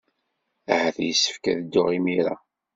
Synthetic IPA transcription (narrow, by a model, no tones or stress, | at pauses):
æhəθjəsːə̥fkæðd̪ːʊʁimiɾa̰